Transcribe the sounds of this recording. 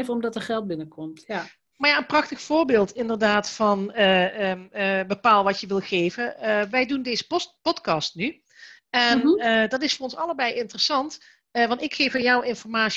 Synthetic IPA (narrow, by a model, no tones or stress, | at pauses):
vəɔmdɑtəχɛlˠt̚bɪnəkɔmt | maɹjaːənprɑxtəxfʊːɹbɪːlˠtɪndərdaːtfɑnə | bəpaːlˠʋɑtjəʋɪlˠχejvəʋɛjdundejzə̥pɔtkɑstny | ɛndɑtɪsfʊːrɔnsɑləbɛjɪntərəsɑnt | əʋɑntɪkxejfəjɔwɪnfɔɹmaː